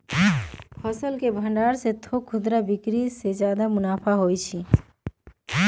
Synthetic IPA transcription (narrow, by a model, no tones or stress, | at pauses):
pʰɔsəlkebʱəɳɖaːɾset̪ʰokʰːʊd̪ɾabikɾised͡ʒjaːd̪amʊnaːpʰaɦojt͡ʃʰi